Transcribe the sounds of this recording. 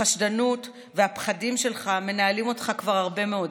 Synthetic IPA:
aʃdanut | ve̞apχadimʃe̞lχame̞naalimo̞tχakvaʁhaʁbe̞me̞o̞d

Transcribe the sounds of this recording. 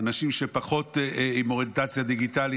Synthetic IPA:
anaʃimʃepaχo̞t̪imoʁet̪at͡sjad̪iɡit̪ali

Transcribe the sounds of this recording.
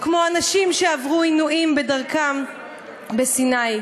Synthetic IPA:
kmo̞anaʃimʃeavʁuinuʔimbe̞daʁkam | besinaj

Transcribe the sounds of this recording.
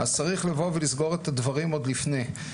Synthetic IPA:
azt͡saʁiχlevo̞velizɡo̞ʁet̪ad̪vaʁimo̞d̪lifne̞j

